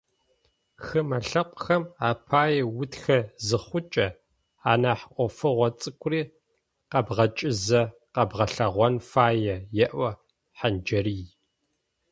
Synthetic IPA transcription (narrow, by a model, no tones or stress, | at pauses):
xɨmɐɬɐqʷʼxɐmaːpʰaːjɐwʊtxɐzɨχʷʊt͡ʃʼɐ | aːnaːħʔʷʼɔfɨʁʷɔt͡sʼɨkʷʰʼʊriː | qɐbʁɐt͡ʃʼɪzɐ | qɐbʁɐɬɐʁʷɔnfaːjɐjɛʔʷɐ | ħand͡ʒɐɾiː